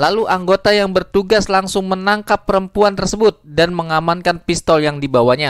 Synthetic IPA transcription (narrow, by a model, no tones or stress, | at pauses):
laluʔaŋɡot̪ajaŋbərt̪uɡaslaŋsʊŋmənaŋkapːəɾəmpuant̪ərsəbʊt̪̚danməŋamankanpist̪ɔljaŋdibawaɲa